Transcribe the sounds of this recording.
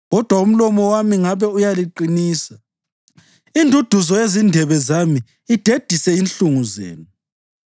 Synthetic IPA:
ɣɔd̥ʱwaum̩lɔmɔwamiŋaβɛujaliǃiniːsa | indʱud̥ʱuzɔezindʱɛβɛzamiː | d̥ʱed̥ʱisɛinɬuŋuzḛːnu

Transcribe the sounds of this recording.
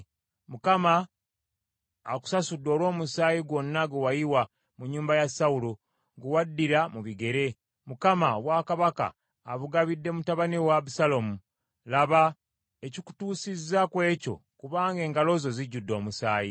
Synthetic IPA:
mukama | ku̥sasudːo̞ːlwo̞ːmusaːjiɡwo̞nːaɡewajiwa | muɲːuːmbajasaulo | ŋɡuwadːiɾamuβiɡe̞ɾe̞ | mukamaoβwaːkaβaka̰ː | βuɡaβidːe̞mutaβanewaβusalomu | laβa | eciku̥tuːsizːakwe̞ːco̞̰kuβaːŋɡe̞ːŋɡalo̞ːzo̞ziɟːudːo̞ːmusaːji

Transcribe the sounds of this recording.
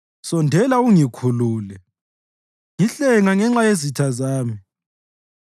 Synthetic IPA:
sɔndʱɛlauŋikʰuluːlɛ | ŋiɬɛŋaŋɛŋ͡ǁajezitʰazaːmi

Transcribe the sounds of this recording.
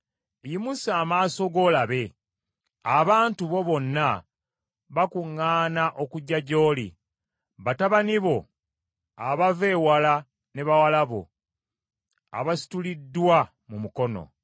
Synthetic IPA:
jimusaːmaːso̞ɡo̞ːlaβe̞ | aβaːntuβo̞βo̞nːa | βakuŋːaːnaʔo̞kuɟːaɟo̞ːlḭ | βataβaniβo̞ | aβaveːwala | ne̞βawalaβo̞̰ | a̰βasi̥tulidːwa | mumuko̞no̞̰

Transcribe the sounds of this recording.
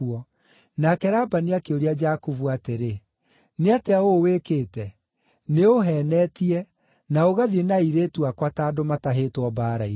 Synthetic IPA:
ɔ | nakɛɾaːbaneakeoɾead͡ʒakuvuateɾe | neateaowekeːtɛ | neoɦɛnɛtiɛ | naoɣaðienaiɾetuakwataːdomataɦetwɔbaːɾai

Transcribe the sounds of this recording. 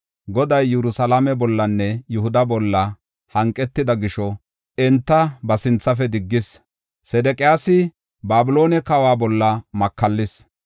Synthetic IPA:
ɡɔd̪ɐjːɛɾʊsɐlamɛbɔlːɐnːɛjʊhʊd̪ɐbɔlːɐ | hɐŋkʼːɛt̪ːɪd̪ɐɡɪʃɔ | ɛnt̪ːɐbɐsɪnt͡sːɐfɛd̪ɪɡːɪs | sɛd̪ɛkʼɪjaːsɪ | baːbɪlo̞ːnɛkɐwaːbɔlːɐmɐkːɐlːɪs

